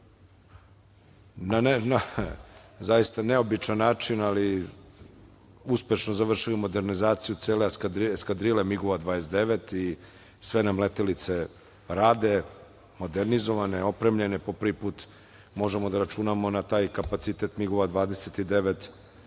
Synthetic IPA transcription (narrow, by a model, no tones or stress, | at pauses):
nanna | zajist̪aneo̞bit͡ʃanːaːt͡ʃinali | uspe̞ʃnozaʋr̩ʃilimo̞d̪e̞ɾnizaːt̪sijut̪seːlek̪skad̪ɾilemiɡoʋad̪ʋaːjesd̪eʋe̞t̪i | sʋenamlet̪elit̪se̞ | ɾaːd̪e̞ | mo̞d̪eɾnizo̞ʋaneo̞pɾemʎe̞nepo̞pr̩ʋipuːt̪ | mo̞ʒe̞mo̞d̪aɾat͡ʃunamo̞nat̪aːjkapat̪sit̪e̞t̪miɡoʋad̪ʋaːd̪eset̪id̪e̞ʋet̪